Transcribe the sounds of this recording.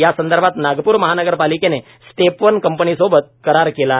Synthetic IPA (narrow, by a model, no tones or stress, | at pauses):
jasənd̪əɾbʱat̪naɡpuːɾməɦanəɡəɾpalikene | st̪epʋənkəmpəniːsobət̪̚kəɾaɾkela